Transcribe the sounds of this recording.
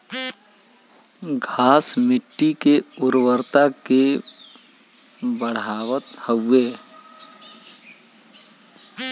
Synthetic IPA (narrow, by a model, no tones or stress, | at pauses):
ɡʱaːsmɪʈːikeʊɾwəɾt̪ake | bəɽaːʋət̪həeː